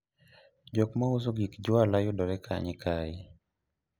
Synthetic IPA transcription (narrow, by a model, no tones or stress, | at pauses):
d͡ʒɔkmauzoɡikd͡ʒwalajodɔɾɛkʰa̰ɲɪkʰai